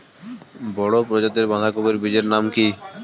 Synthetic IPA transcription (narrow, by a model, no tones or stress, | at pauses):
bɔɽopɾod͡ʒot̪eɾbãŋɦakobeɾbid͡ʒeɾnamki